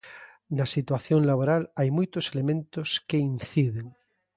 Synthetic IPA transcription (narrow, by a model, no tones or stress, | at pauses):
nasit̪waθjoŋlaβoɾalajmujt̪oselemẽnt̪oskeinθiðeŋ